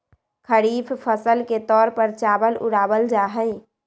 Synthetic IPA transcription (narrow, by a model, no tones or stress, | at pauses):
kʰəɾiːpʰpʰəsəlket̪ɔːɾpəɾt͡ʃabəlṵɽabəld͡ʒaɦəj